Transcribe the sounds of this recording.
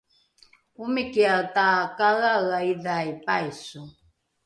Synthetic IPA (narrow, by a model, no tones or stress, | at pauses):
umikialtakaɣaɣaiðaipajsu